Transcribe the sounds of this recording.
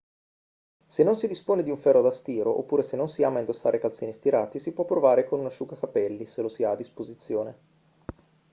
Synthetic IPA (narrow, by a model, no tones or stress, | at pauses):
senːonsid̪ispoːned̪iuɱfɛrːod̪ast̪iːɾo̰ʔo̰pːuːɾesenːonsiaːmaind̪osːa̰ːɾekalt̪siːnist̪iɾaːt̪isipwɔpːɾovaːɾekonunaʃukakapɛlːiselosiaːd̪ːispozit̪sːjoːne